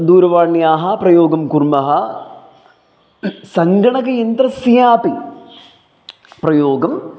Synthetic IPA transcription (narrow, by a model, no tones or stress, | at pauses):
d̪uːɾɐʋaːɳːijaːɦɐprɐjoːɡɐmkurmɐɦɐ | sɐŋɡɐɳɐkɐjent̪ɾɐsijaːpi | prɐjoːɡɐm